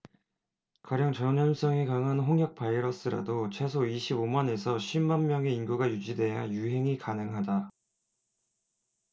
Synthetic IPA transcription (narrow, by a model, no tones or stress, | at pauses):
kwaɾjʌŋt͡ɕʌɲʌs͈ʌŋikaŋanɸoŋjʌk̚p͈aiɾʌs͈ɯɾa̰dot͡ɕʰwe̞sʰoiɕʰibomane̞sʰʌɕʰimanmjʌŋe̞inɡuɡajud͡ʑide̞jajuɦe̞ŋikanɯŋɦada